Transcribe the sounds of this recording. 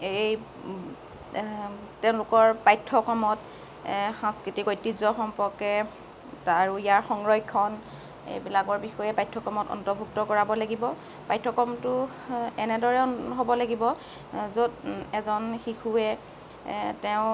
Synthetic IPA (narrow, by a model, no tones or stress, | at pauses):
ej | tɛʊ̃lʊkɔɹpajtʰːɔkɔmɔt | xãŋskɹitikojtːizɔxɔmpɔɹkɛ | taɹuijaɹxɔŋɹɔjkʰːɔn | ḛjbilakɔɹbixɔjɛpajtʰːɔkɔmɔtɔ̰ntɔbʱuk̚tɔkɔɹabɔlaɡibɔ | pajtʰːɔkɔmtʊ | ɛnɛdɔɹɛɦobɔlaɡibɔ | zodɛzɔnxixuɛ | tɛʊ̃